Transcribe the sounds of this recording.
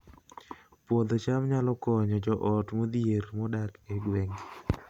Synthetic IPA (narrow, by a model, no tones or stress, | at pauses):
pwod̪ɔt͡ʃamɲalɔkɔɲɔd͡ʒɔʔɔtmod̪ieɾmɔdakeɡweŋ